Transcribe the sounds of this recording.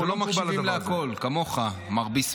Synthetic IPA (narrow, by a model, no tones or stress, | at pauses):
ulomabiimleako̞lkamo̞χa | maʁbis